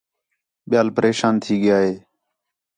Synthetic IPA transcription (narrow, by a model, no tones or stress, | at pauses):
ɓɪjaːlpəɾeːʃaːnt̪ʰiːɠɪjaːɦeː